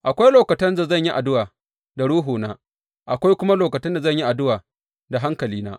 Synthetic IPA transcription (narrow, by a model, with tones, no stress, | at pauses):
ʔa˨kʷa˦jloː˨kɐ˨tɐ˦nza˨zɐ˦˨ɲji˦ʔa˨dʊ˦waː˨ | da˨ɽuː˦ɦuː˨naː˦ | ʔa˨kʷa˦jkʷʊ˦ma˦loː˨kɐ˨tɐ˦nda˨zɐ˦˨ɲji˦ʔa˨dʊ˦waː˨ | da˨ɦa˦ŋkɐ˨liː˦na̰ː˦